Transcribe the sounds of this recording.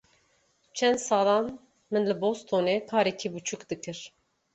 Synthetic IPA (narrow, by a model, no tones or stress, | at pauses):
t͡ʃʰɛnd̪sɑːlɑn | mɨnlɨbost̪ʰonɛkʰaːɾɛkʰibut͡ʃʰukd̪ɨkʰɨɾ